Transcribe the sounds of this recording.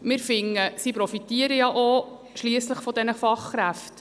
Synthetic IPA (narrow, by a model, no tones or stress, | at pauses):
mɪɾfɪŋːəsipɾɔfit̪iəɾəjɑʔo | ʃliəsləχfɔd̪ɛnəfɑχːɾæft